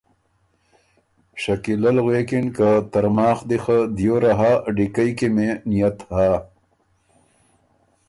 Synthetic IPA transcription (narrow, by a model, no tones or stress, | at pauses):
ʂakilalɣwekinkat̪aɾmaːxd̪ixad̪joɾaɦaːɖikajkemenijat̪ha